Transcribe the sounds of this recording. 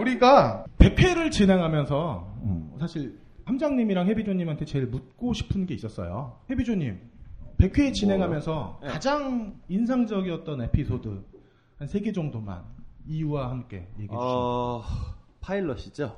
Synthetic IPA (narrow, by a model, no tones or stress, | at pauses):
uɾiɡape̞kʰwe̞ɾɯɭt͡ɕine̞ŋɦamjʌnsʰʌʌ̰sʰaɕʰiɭ | hamd͡ʑaŋɲimiɾaŋhe̞bid͡ʑoɲimɦantʰet͡ɕe̞ɭmut̚k͈oɕʰi̥pʰɯnɡe̞is͈ʌs͈ʌ̰jo̰he̞bid͡ʑoɲimpe̞kʰwe̞t͡ɕine̞ŋɦamjʌnsʰʌkad͡ʑaŋinsʰaŋd͡ʑʌɡiʌt̚t͈ʌne̞pʰisʰodɯ | hansʰe̞ɡe̞d͡ʑʌŋdoma̰niuwahamk͈e̞̰jeɡiu | pʰaiɭːʌɕʰi̥d͡ʑo